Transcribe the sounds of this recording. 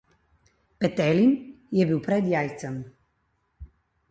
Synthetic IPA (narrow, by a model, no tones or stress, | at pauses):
pɛt̪ɛlinjɛbiwpɾɛd̪jaːjt̪sɛm